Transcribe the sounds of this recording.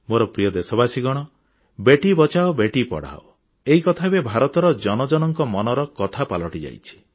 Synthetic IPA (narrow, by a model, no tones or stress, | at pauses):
moɾɔpɾijɔd̪esɔbasiɡɔɽ̃ɔ | beʈibɔt͡ʃaobeʈipɔ̰ɽ̤a̰o | eɦikɔt̪ʰabebʱaɾɔt̪ɔɾɔd͡ʒɔnɔd͡ʒɔnɔŋkɔmɔnɔɾɔkɔt̪ʰapalɔʈid͡ʒa̰jt͡ʃʰi̥